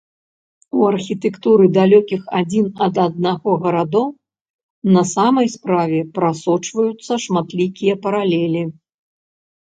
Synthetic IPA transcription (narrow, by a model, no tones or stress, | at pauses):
uɐrxʲit̪ɛkt̪uɾɨd̪alʲɔkʲixad͡zʲinɐd̪ad̪̚naɣɔɣɐɾad̪ɔw | nɐsamɐjspɾavʲɛpɾasɔt͡ʂvɐjut̪sːɐʂmat̪lʲikʲijɐpɐɾalʲɛlʲi